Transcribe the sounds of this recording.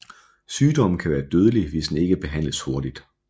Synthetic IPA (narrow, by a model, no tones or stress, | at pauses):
syːd̥ɒ̽m̰n̩kʰæʋæːɐd̥øːð̞ˠəliʋe̝sd̥ene̝ɡ̥əb̥e̝ɦæn̰ləsho̝ɐd̥id̥